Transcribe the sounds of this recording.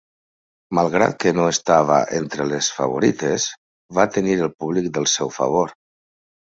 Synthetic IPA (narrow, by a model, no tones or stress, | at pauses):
malˠɣɾa̰t̪̚kənoest̪aβ̞a̰ʔent̪ɾəlesfa̰β̞oɾit̪ez | βat̪əniɾəlˠpuβlik̚d̪əlˠsɛwfə̰β̞oɾ